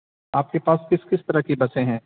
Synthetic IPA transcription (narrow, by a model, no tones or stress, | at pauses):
aːp̚kepaːskɪskɪst̪ɐɾəɦkibɐsẽɦɛ̃ː